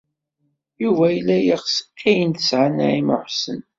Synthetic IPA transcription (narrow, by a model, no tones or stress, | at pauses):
juvæjəlːæjiχsə̥kæjənt̪ə̥sʕanæ̰ʕimə̰ħsən